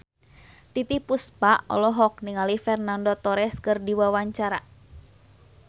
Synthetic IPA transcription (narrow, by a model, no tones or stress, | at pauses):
t̪it̪ipuspaʔɔ̰lɔɦɔk̚niŋalifɛrnandɔt̪ɔɾɛskɨrdiwawaɲt͡ʃaɾa